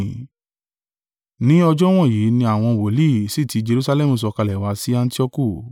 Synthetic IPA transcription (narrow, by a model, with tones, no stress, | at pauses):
nĩ˦ɔ˧d͡ʒɔ˦w̃ɔ̃˦˨ji˨˦nĩ˧a˨w̃ɔ̃˧wo˨li˦˨si˦˨ti˨˦d͡ʒe˧ɾu˧sa˧lɛ˦˨mũ˨s̬ɔ˧ka˧lɛ˨wa˨˦si˦a˧n˦ti˦ɔ˧ku˦˨